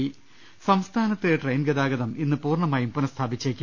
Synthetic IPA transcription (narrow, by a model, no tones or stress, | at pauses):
sɐmst̪ʰaːnɐt̪ːileʈrejnɡɐd̪aːɡɐðɐminːɨpuːrɳɐmaːjumpunɐst̪ʰaːbit͡ɕːekʲːu